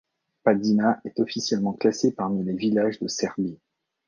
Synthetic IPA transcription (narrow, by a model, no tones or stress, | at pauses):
pad̪inaʔɛt̪ɔfisjɛlmɑ̃klasepaʁmilevilaʒd̪əsɛʁbi